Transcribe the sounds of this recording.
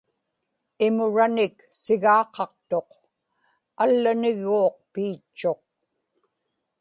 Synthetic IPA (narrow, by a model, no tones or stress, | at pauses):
ɪmʊɻanɪk | sɪɣɑːqɑq̚t̪o̞q | alːanɪɣuːq̚piːt͡ʃːo̞q̚